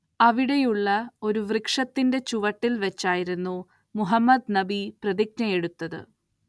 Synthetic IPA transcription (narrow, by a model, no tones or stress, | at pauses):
ɐʋiɽe̞juɭːɐo̞ɾuʋrɨkʂɐt̪ːinde̞t͡ɕuʋɐʈːilʋet͡ɕːaːjiɾunːu | muɦɐmːɐd̪nɐbiprɐðik̚nɐje̞ɽut̪ːɐðɨ̰